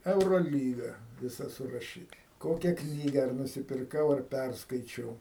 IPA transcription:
ɛʊroːˈlʲiːɡɐ ʋʲɪˈsɐ sʊrɐˈʃʲiːtɐ ˈkoːkʲɛ ˈknʲiːɡɐ ɐr nʊsʲɪpʲɪrˈkɐʊ ɐr ˈpʲærskɐɪt͡ʃʲɛʊ

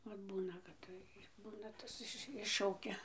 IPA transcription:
ˈʋɐt ˈbuːnɐ kɐt ˈtɐɪ ˈbuːnɐ ˈtɐs ɪʃ ˈɪʃʃɐʊkʲɛ

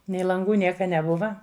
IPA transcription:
nʲɛɪ lˠɐŋˈɡuː ˈnʲiɛkɐ nʲɛˈbʊʋɐ

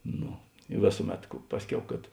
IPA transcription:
ˈnoː ɪ ˈʋʲeːsʊˌmʲɛt kʊ ˈpɑːsʲˌkʲɛʊ kɐt

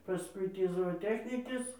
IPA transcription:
pɐˈskʊɪ ˈtʲiː zoːoːˈtʲæːxʲnʲɪkʲeːs

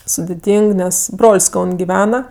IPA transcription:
sʊdʲɪˈtʲiːŋk ˈnʲɛs ˈbroːlʲsʲ ˈkɐʊnʲ ɡʲɪˈʋʲæːnɐ

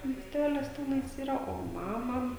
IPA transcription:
mʲiɛsʲˈtʲæːlʲɪs ˈtʲæːnɐɪs ˈiːrɐ oː ˈmɑːmɐ

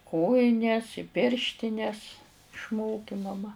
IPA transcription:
ˈkoːjɪnʲɛs ɪ ˈpʲɪrʲʃʲtʲɪnʲɛs ɪʃˈmoːkʲɪ mɐˈmɐ

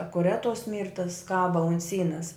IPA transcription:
ɐkʊˈrʲɛt toːs ˈmʲiːrtɐs ˈkɑːbɐ ɐnt ˈsʲiːnɐs

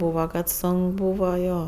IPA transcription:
ˈbuːʋɐ kɐt ˈsoːŋk ˈbuːʋɐ ˈjoː

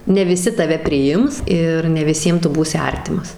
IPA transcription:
nʲɛ ʋʲɪˈsʲɪ tɐˈʋʲɛ pʲrʲɪˈjɪms ˈɪr nʲɛ ʋʲɪˈsʲiɛms ˈtʊ ˈbuːsʲɪ ˈɐrʲtʲɪmɐs

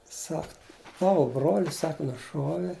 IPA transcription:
ˈsɐk ˈtɑːʋoː bruɔlʲsʲ ˈsɐk nʊˈʃuɔʋʲɛ

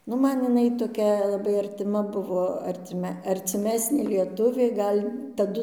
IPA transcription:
ˈnʊ ˈmɐn ɪˈnɐɪ toːˈkʲɛ lˠɐˈbɐɪ ɐrʲtʲɪˈmɐ ˈbʊʋoː ɐrʲˈtʲɪmʲɛ ɐrʲt͡sʲɪˈmʲæːsʲnʲeː lʲiɛˈtʊʋʲeː ˈɡɐlʲ tɐˈdʊ

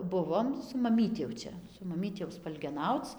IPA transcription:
ˈbʊʋoːm sʊ mɐˈmʲiːtʲɪ jɛʊ ˈt͡ʃʲɛ sʊ mɐˈmʲiːtʲɪ jɛʊ spɐlʲɡʲɛˈnɐʊt͡s

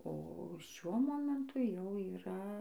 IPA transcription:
oː ˈʃʲuɔ ˈmoːmʲɛntʊ jɛʊ iːˈrɐ

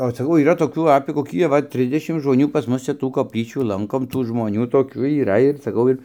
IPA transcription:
oː sɐˈkɐʊ iːˈrɐ toːˈkʲuː ɐpʲeː koːˈkʲiː ɐˈʋɐ ˈtʲrʲɪzʲdʲɛʃʲɪm ʒmoːˈnʲuː pɐs ˈmʊs t͡ʃʲɛ ˈtuː koːpʲˈlʲiːt͡ʃʲuː ˈlˠɐŋkoːm ˈtuː ʒmoːˈnʲuː toːˈkʲuː iːˈrɐ ɪr sɐˈkɐʊ ɪr

